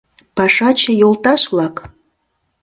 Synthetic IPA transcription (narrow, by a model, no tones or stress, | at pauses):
pɑʃɑt͡ɕĕjolt̪ɑʃβlɑk